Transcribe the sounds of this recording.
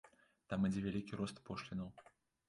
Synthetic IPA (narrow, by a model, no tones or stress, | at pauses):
t̪amid͡zʲɛvʲælʲikʲiɾɔst̪pɔʂlʲinɐw